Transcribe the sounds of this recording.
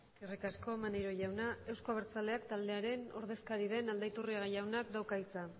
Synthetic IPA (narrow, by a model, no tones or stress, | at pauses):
sirikasko̞manejɾo̞ʝawnae̞wsko̞aβ̞eɾt͡sale̞akt̪ald̪e̞aɾe̞no̞̰ɾð̞e̞skaɾið̞e̞nald̪ait̪uriaɣajawnakd̪awkait͡sa